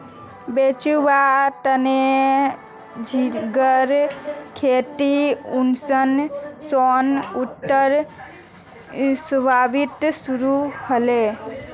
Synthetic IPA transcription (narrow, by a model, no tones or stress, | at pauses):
bet͡ʃubat̪əne | d͡ʒʱiɡəɾkʰeʈ̪iunsənsonut̪ːəɾ | səbʱabit̪suɾuhəle